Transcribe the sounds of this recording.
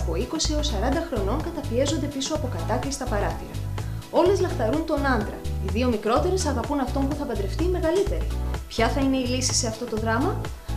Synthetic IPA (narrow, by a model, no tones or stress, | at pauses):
po̞iko̞siosɐɾɐnd̪ɐxɾo̞no̞ŋkɐt̪ɐpie̞zo̞nd̪e̞piso̞ɐpo̞kɐt̪ɐklist̪ɐpɐɾɐθiɾɐo̞le̞zlɐft̪ɐɾunt̪o̞nɐnd̪ɾɐ̰iðio̞mikɾo̞t̪e̞ɾe̞sɐɣɐpunɐft̪o̞mpuθɐpɐd̪ɾe̞ft̪ime̞ɣɐlit̪e̞ɾipçɐθɐine̞ilisi̥se̞ɐft̪o̞t̪o̞ðɾɐmɐ